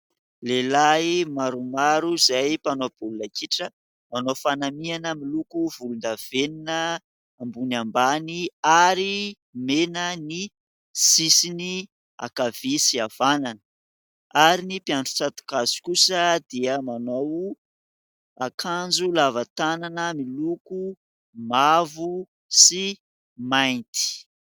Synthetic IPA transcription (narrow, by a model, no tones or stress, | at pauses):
lelajimaɾumaɾuzajpanob̥ulunakiʈ͡ʂə | manofanamianəmilukuvulund̪av̥eninə | ambunambaniaɾi | menəni | sisini | a̰kav̥isiav̥ananə | aɾinipiaɳɖ͡ʐu̥t͡sat̪u̥kazi̥kusəd̪iəmanow | akʰand͡ʒulavat̪ananəmiluku | mavu | si | majnt̪i̥